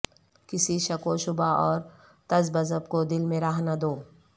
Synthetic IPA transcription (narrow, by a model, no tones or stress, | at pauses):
kɪsiʃɐkoʃʊbaɔːɾ | t̪ɐzbɐzəbkod̪ɪlmẽɾaːɦnad̪oː